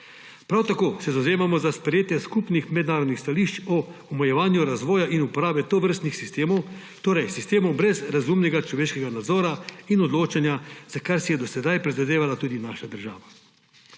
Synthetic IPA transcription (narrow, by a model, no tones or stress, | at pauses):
pɾawt̪akoːsɛzawzeːmamɔzaspɾɛjeːt̪jɛskupnixmɛd̪naːɾɔd̪nixst̪aliʃt͡ʃɔɔmɛjɛʋaːnjuɾazʋɔːjaʔinupɔɾaːbɛt̪oʋəɾst̪nixsist̪eːmɔw | t̪oːɾɛjsist̪eːmɔwbɾɛzɾazumnɛɡat͡ʃlɔʋeːʃkɛɡanad̪zɔːɾainɔd̪loːt͡ʃanjazakaɾsɛjɛd̪ɔsɛd̪ajpɾizad̪eːʋalat̪uːd̪inaʃad̪əɾʒa̰ːʋa